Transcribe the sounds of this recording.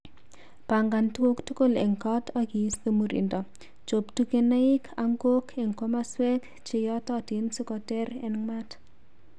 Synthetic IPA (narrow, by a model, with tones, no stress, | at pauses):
pa˨ŋɡa˨ntu˦wo˦ktu˦ko˦lɛ̰˨ŋkɔ˦tʰɔ˦ki˨˦sto˦mu˨ɾḭ˨ndɔ˨ | t͡ʃo˨ptu˦ke˨na˦ɪ˦kʰa˨ŋɡo˦kʰɛ˨ŋko˦ma˦swɛ˦k | t͡ʃɪ˨jɔ˦tɔ˦tɪ˨nsu˦kɔ˨tɛ˦ɾɛ˨nŋmat